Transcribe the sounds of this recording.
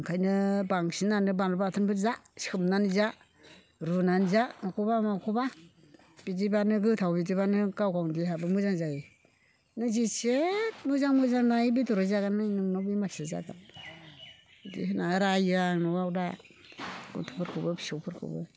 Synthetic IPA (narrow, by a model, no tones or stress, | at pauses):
kʰajnɯbaŋsinanɯbanɾbatʰɯnbʰɯɾzasi̥kʰɯmnanza | ɾunanzamakʰubamakʰuba | b̥id͡ʒibanɯɡɯtʰawbidibanɯɡawkawndiɦabɯmɯzaŋzaji | nɯzisetmuzaŋmɯzaŋnajibituɾɯzaɡanːanɯŋnɔbimaɾsaza̰ɡa̰n | dḭhɯnaɾajaŋnɔwawda | ɡṵtʰu̥pʰɯɾkʰɯbɯbi̥sowpʰɯɾkʰɯ̰bɯ̰